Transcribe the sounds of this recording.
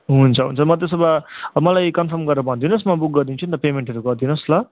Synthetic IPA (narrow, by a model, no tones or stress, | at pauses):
ɦunt͡sʰʌɦṵnt͡sʰʌmʌd̪esʌbamʌlajkʌnpʰʌrmɡʌrnʌpʌaɦũd̪inʌsmʌbuk̚ɡʌɾd̪int͡sʰunt̪ʌpemeɳʈɦeɾuɡʌɾd̪inʌslʌ